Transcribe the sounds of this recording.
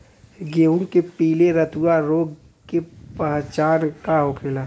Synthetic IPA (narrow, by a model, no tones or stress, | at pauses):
ɡeːʊ̃ŋkepiːleɾət̪uaɾoːɡ | kepəɦt͡ʃaːnkaɦokʰelaː